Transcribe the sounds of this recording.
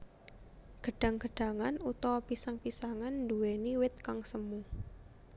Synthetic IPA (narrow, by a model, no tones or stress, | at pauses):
ɡ̥əɖ̥a̤ŋɡə̤ɖ̥a̤ŋanut̪ɔpisaŋpisaŋand̪uweniwɪt̪̚kaŋsəmu